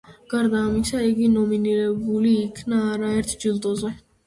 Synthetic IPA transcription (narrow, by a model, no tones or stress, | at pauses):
ɡ̥aɾd̪aːmisaiɡinɔminiɾɛbuliːkʰnaːɾaɛɾt̪ʰd͡ʒild̪ʼɔzɛ